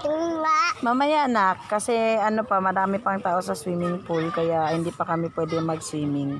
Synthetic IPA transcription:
amamɐjaʔnakːɐsɛɐnopɐmɐɾaːmɪpɐŋt̪aːʔosɐswiːmɪŋpʊlkɐjaʔhɪnd̪ipɐkɐmɪpwɛːd̪ɛŋmɐɡswiːmɪŋ

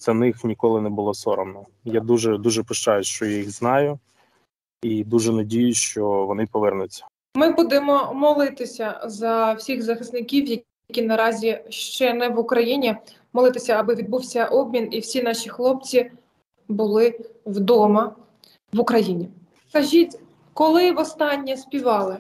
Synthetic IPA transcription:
t̪sɛnɪxnʲikɔlˠɪnɛbʊlˠɔsɔɾɔmnɔ | jad̪uʒɛd̪uʒɛpʊʃt͡ʃɑjʊsʃt͡ʃɔjajiɣznɑjʊ | id̪uʒɛnɐdʲijʊʃt͡ʃɔʋɔnɪpɔʋɪrnʊt͡sʲːɐ̥ | mɪbud̪ɪmɔmɔlˠɪt̪ɪsʲɐzɐwsʲixzɐxɪsnɪkʲiwjɐ | kʲinɐɾɑzʲiʃt͡ʃɛnɛʋʊkɾɐjinʲi | mɔlˠɪt̪ɪsʲɐːbɪʋʲid̪̚buwsʲɐʔɔbmʲiniwsʲinɑʃixlˠɔp̚t͡sʲi | bʊlˠɪwd̪ɔmɐ | ʋʊkɾɐjinʲi | skɐʒʲitʲ | kɔlˠɪʋɔst̪ɑnʲːisʲpʲiʋɑlˠɪ

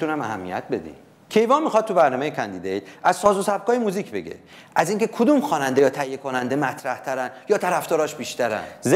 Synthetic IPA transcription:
unæmæɦæmːḭjæ̰t̪̚be̞d̪ḭm | cʰe̞jvɒːnmːixɒːd̪̚t̪ːʰubæɾnɒːmejekʰænd̪id̪ej̪æzsɒːzosæb̚kʰɒːjemuziːcʰbe̞ɟe̞̰ | ʔæziːŋcʰekʰod̪uːmxɒːnænd̪e̞jɒːt̪ʰæhijːekʰonænd̪e̞mæt̪ʰɾæht̪ʰæɾænjɒːt̪ʰæɾæfd̪ɒːɾɒːʃbiːʃt̪ʰæɾæ̰nz

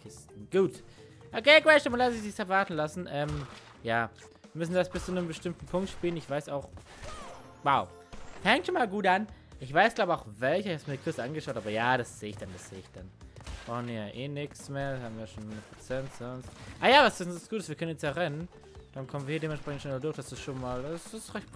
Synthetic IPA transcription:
kʰɪstn̩ɡ̥uːt | ʔokeːkvɛːʃtɪmulaɪçzɪçsɛɐvaɐtn̩lasn̩ʔɛːm | jaː | vviɐmʏsn̩dasb̥ɪst͡suːnəmbəʃtɪmtn̩pʰʊŋktʃpiːlənɪçv̥aɪsaʊx | waʊ | fɛŋtʃoːnmaːlɡuːtʔan | ʔɪçv̥aɪsɡ̥laʊbəaʊxvɛlçəɪçhasmiːkʰʊɐt͡sʔanɡəʃaʊtaːbɐjaːd̥asz̥eːɪçd̥andasz̥eːɪçd̥anb̥ʁaʊxn̩viːɐjaʔeːnɪksmeːɐhaːbm̩viːjaʃoːnːnəpʁ̥ot͡sɛnʊnstʔaːjaːvasv̥ɪsn̩ssɡ̥uːtəsv̥iːɐkœnənjɛsjaːʁɛnən | d̥ankʰɔmənviːiɐideːmɛnʃpʁ̥ɛçn̩tʃoːnmaɐdʊɐçd̥asɪsʃoːnmaːlssʁɛçt

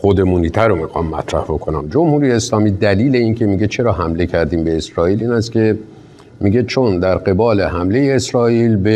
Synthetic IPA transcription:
xod̪e̞muːniːt̪ʰæɾomixɒːmːæ̰t̪ʰɾæ̰hbo̞kʰo̞næmd͡ʒo̞mhuːɾijeːslɒːmiːd̪æliːle̞iːncʰe̞miɟe̞t͡ʃʰe̞ɾɒːɦæmle̞cʰæɾd̪iːmbe̞ːsɾɒːiːliːnæst̪cʲʰe̞ | miɟe̞t͡ʃʰo̞nd̪æɾɢe̞bɒːle̞ɦæmle̞je̞ːsɾɒːiːlbe

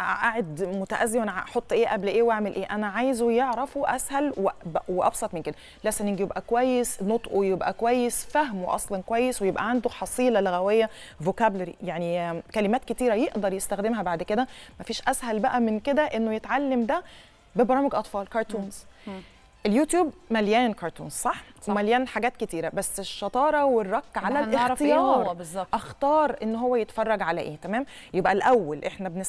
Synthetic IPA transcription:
ʔʔaʕed̪mot̪æʔæzːiwænæʔħot̪ˤːʔeːʔæblʔeːwʔaʕmelʔeːʔænæʕaːjzwejeʕɾɑfuʔæ̰shælwebweʔɑ̰bsˤɑt̪ˤmenked̪æ | læsæniɡjebʔækowæjːesnot̪ˤʔojebʔækowæjːesfæɦmwḛʔɑ̰sˤlɑnkowæjːeswejebʔæ̰ʕand̪oħɑsˤiːlɑleɣæwejːævokæblæɾḭjaʕnikælemæːt̪̚ket̪iːɾæjeʔd̪ɑɾˤjest̪æxd̪emɦæbaʕd̪ked̪æmæfiːʃʔæshælbæʔæmenked̪æʔenːojet̪ʕalːemd̪æ | bebɑɾˤɑːmeɡʔɑt̪ˤfɑːlkɑɾˤt̪uːnz̥ | ʔeljuːt̪juːbmæljæːnkɑɾˤt̪ṵːnzsˤɑħwemæljæːnħaɡæːt̪ket̪iːɾæbæsːeʃːɑt̪ˤɑːɾˤɑwerˤːɑkːʕalælext̪ejɑːɾˤzʔæxt̪ɑːɾˤʔenːɦowːæjet̪fɑrˤːɑɡʕalæ̰ʔeːt̪æmæːm | jebʔælʔæwːælʔeħnæbene

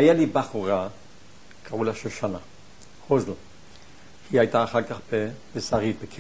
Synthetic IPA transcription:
ajalibaχuʁa | kʰaulaʃeʃana | hozl̩ | hiajt̪aːχaʁkaχbebesaʁit̪̚bekʰi

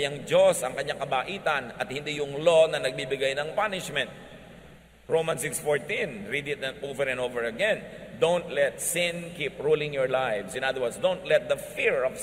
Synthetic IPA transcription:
jɐŋd͡ʒosɐŋkɐɲːaŋkɐbaːʔiːt̪ɐnɐt̪̚hɪnd̪ijʊŋlonɐnɐɡ̚bibɪɡajnɐŋpanɪʃmɛ̃nt̪̚ | ɹowmɐ̃nsɪksfoɹt̪ĩnɹid̪ɪt̪̚ɐovɛɾɛ̃novɛɹɐɡɛ̃nd̪õwnt̪lɛt̪̚sɪ̃nkipɹulɪ̃ŋjɔɹlajfsɪnad̪ɐwɐnsd̪ownt̪lɛt̪̚d̪ɐfiɹɔv

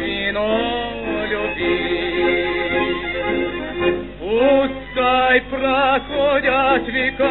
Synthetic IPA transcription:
ino | lʲoti | uskɑiprɑkojɑsʋikɑ

